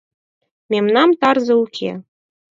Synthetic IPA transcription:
mʲemnɑmt̪ɑrzɤ̆ukʲʰḛ

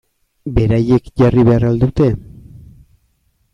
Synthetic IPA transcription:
be̞ɾaje̞kʝariβe̞arald̪ut̪e̞

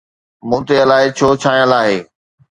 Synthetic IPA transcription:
mũːt̪eɐlaːɪt͡ɕʰoːt͡ɕʰaːĩjə̃laːɦeː

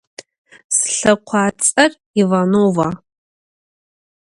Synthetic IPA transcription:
sɬɐqʷʰaːt͡sʼɨr | ivanova

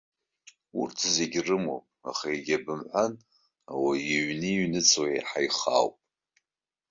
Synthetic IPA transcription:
ṵrtʰzeɡʲrɨmo̰pʼa̰χaeɡʲabɨmħʷan | awajiɥnɨiɥnɨt͡sʰʼwḛjħajχa̰ːwpʼ

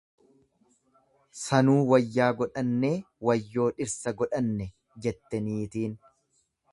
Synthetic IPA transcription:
sɐnuːwɐjːaːɡɔᶑɐnːe̞ː | wɐjːo̞ːᶑɪɾsɐɡɔᶑɐnːɛ | d͡ʒɛt̪ːɛniːt̪iːn

